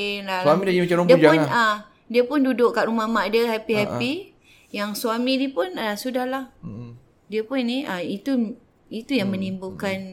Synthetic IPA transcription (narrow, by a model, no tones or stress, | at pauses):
nlawamidad͡ʒiimat͡ʃaɾodiəud͡ʒaʊnə | diəpʊndudʊʔkaʔɾumamaʔdəhapiɦapi | jaŋsuamidipʊnasudahlah | diəpʊnːiʔəit̪u | it̪ujaŋmə̃nimbukan